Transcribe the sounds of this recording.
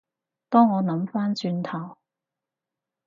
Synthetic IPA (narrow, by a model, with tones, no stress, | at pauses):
t̪ɔː˥ŋɔː˨˧nɐ˨˥mfaː˥nt͡ʃyː˧nt̪ʰɐ˨˩w